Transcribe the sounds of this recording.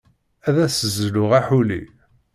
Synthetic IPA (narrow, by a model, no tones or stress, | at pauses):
æðæsəzːlʊʁaħulḭ